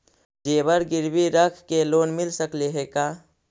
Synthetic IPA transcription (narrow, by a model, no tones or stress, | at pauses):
d͡ʒeːbəɾɡɪɾbiɾəkʰkeloːnmɪlsəkleɦeːkaː